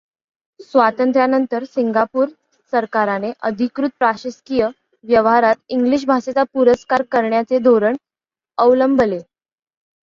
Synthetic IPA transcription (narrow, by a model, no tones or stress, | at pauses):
sʋat̪ənt̪ɾjanənt̪əɾsiŋɡapuːɾ | səɾkaɾaneʔəd̪ʱikɾut̪̚pɾaɕəskijə | ʋjəʋɦaɾat̪iŋɡliːɕ̬bʱaset͡sapuɾəskaɾkəɾɳjat͡sed̪ʱoɾəɳ | əʋləmbəle